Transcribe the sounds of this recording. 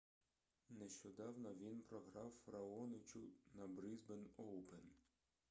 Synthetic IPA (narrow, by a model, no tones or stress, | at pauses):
neʃt͡ʃɔd̪ɑwnɔʋʲinpɾɔɦɾɑwfɐɾɐɔnɪt͡ʃʲʊnɐbɾɪzbenɔw̪ˠpen